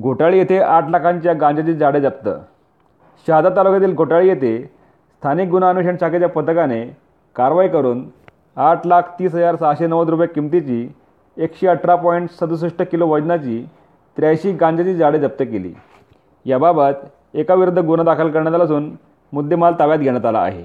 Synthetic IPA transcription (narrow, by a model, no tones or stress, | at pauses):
ɡʱoʈaɭiːjet̪ʰeʔaʈʰlakʰãɲt͡ɕjaɡãɲd͡ʑd͡zat͡ɕiːd͡zaɽed͡zap̚t̪ə̰ː | ɕad͡z̪at̪alukʰat̪iːlɡʱoʈaɭiːjet̪e | st̪ʰanik̚ɡunaːnuɕəɳɕaket͡ɕjapət̪əkane | kaɾʋaikəɾuːn | aʈʰlakʰt̪iːsɦəd͡zaɾsaɕenəʋəd̪ɾupjakimt̪it͡ɕiː | ekɕeəʈʰɾapɔiɳʈsəd̪us̬uʂʈəkiloʋəd͡ʑnat͡ɕiː | t̪ɾjajɕiːɡãɲd͡zat͡ɕiːd͡zaɽed͡zap̚t̪əːkelḭː | jababət̪ | ekaʋiɾud̪ʱːəɡunad̪akʰəlkəɾɳjat̪alasuːn | mud̪ʱːemalt̪aʋjat̪̚ɡʱeɽ̃at̪ala̰ːɦḛ